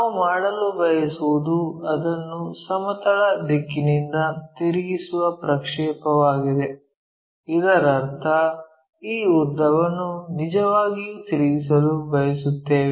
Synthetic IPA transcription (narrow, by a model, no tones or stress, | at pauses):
naumaːɽɐlubɐjɐsuʋud̪uɐd̪ɐnːusɐmɐt̪ɐɭɐd̪ikːinind̪ɐt̪iɾiɡisuʋɐpɾɐkʂɛːpɐʋaːɡid̪e̞ | id̪ɐɾɐɾt̪ʰɐ | iːud̪ːɐʋɐnːunid͡ʒɐʋaːɡijuːt̪iɾiɡis̬ɐlubɐjɐsut̪ːeːʋe